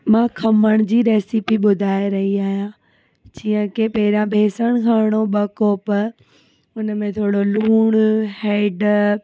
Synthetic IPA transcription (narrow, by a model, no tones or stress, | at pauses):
mãkʰɐməɽ̃ʊd͡ʑiːɾeːsipiɓʊd̪ʱaːeɾɐɦiaːɦijã | d͡ʑiːə̃kʰepɐɦɪɾãbʱeːsəɽ̃kʰãːɽ̃oɓɐkoːpɐɾ | ʊnəmẽt̪ʰoːɽoluːɽ̃heːɖ